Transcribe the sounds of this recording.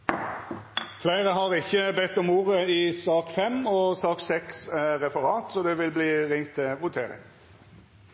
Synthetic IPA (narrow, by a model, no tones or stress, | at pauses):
flæɪʁəɦɑʁɪçːəbɛt̪ːɔmuːʁəiːsɑːkfɛmɔːsɑːksɛksʁɛpɑʁɑːt̪sɔd̪ɛʋɪlbliːʁɪŋt̪ʰːɪʋʊt̪ʰeːʁɪ̰ŋ